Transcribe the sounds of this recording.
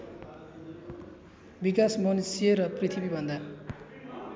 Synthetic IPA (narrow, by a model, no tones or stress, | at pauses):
bikasmʌnsjeɾʌprit̪ʰibibʱʌnd̪a